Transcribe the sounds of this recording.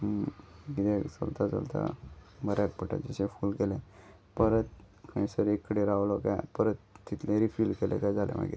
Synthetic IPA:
ɡid̪ɛkt͡sə̰lt̪at͡sə̰lt̪a̰məɾak̚pəʈa̰d͡zəɕẽfuːlkelẽ | pəɾət̪̚ | kʰəisəɾekːəɽeɾaʋlɔkajpəɾət̪ːit̪lẽɾifilkelʔɛ̰̃kajd͡zalʔɛ̰̃ma̰ɡḭɾ

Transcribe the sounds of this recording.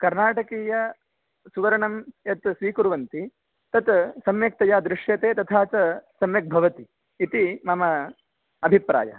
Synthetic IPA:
kɐɾnaːʈɐkiːjɐ | suʋɐɾɐɳɐmjɐt̪sʋiːkuɾʋɐnt̪i | t̪ɐt̪sɐmjɐk̚t̪ɐjaːd̪ɾɪʂjɐt̪eːt̪ɐt̪ʰaːt͡ʃɐsɐmjɐk̚bʱɐʋɐt̪iː | t̪imɐmɐ | ɐbʱipɾa̰ːjɐ̰

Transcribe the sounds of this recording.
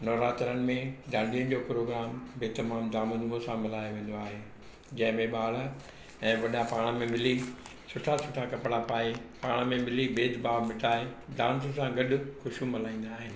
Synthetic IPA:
nɔːɾaːt̪ɾəñɪ̆mẽɗ̪aːɖijənɪ̆d͡ʑoːpɾoːɡɾaːmbeːt̪ɐmaːmd̪aːmənmõsãmɪlaːjoʋẽːnd̪oaːɦeː | d͡ʑɐ̃ɦɪ̃mẽɓaːɭ̤̆ | ɛ̃ːʋɐɗapaːɽ̃mẽmɪlisʊʈʰasʊʈʰakɐpɽapaːepaːɽ̃mẽmɪlibeːd̪ʱbaːʋmɪʈʰaːedãːnsə̆sãɡɐɗʊ̆xʊʃumɪlaːĩːn̆d̪aːɦɪnɪ̆

